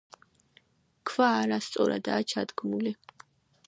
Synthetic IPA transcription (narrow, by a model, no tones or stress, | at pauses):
kʰvaːɾast̪sʼɔ̰ɾa̰d̪a̰ːt͡ʃʰad̪ɡmuli